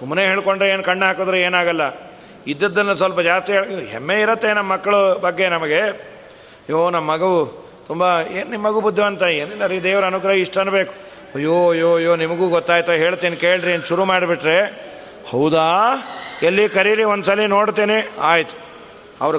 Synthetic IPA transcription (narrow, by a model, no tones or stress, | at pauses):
sumɐneːɦeːɭko̞ɳɖɾeeːnkɐɳɖɦaːkoːd̪ɾeeːnaːɡɐlːɐ | id̪ːɐd̪ːɐnːɐs̬ʋɐlpɐd͡ʒaːst̪iɦeːɭkɦemːeiɾɐt̪ːenɐmːɐkːɐɭubɐɡːenɐmɐɡe̞ | joːnɐmːɐːɐɡɐʋu | t̪umbɐeːnnimːɐɡubud̪ʱːɐʋɐnt̪ɐeːnilːɐɾiːd̪eːʋɐɾɐɐnukɾɐɦɐiʂʈɐɐnbe̞ːku̥ | ɐjːoːɐjːoːɐjːoːnimɐɡuːɡɔt̪ːaːjt̪ɐɦeːɭt̪iːnkeːɭɖɾieɐnt̪uʃuɾumaːɽbiʈɾe | hɐwd̪aː | elːikɐɾiɾiond̪usaːlino̞ːɽt̪iːniaːjit̪u̥ | ɐʋɐɾ